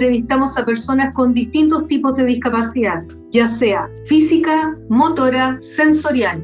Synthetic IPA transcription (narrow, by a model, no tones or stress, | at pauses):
ɾeβist̪amo̞sape̞ɾso̞nasko̞nd̪ist̪int̪o̞st̪ipozðe̞ðiskapasiðað | ʝase̞afisikamot̪oɾase̞nso̞ɾjal